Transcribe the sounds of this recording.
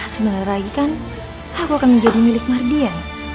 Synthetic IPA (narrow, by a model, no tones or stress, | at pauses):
səmənarraɡikan | ahkuakanməɲd͡ʒadimilɪk̚mardian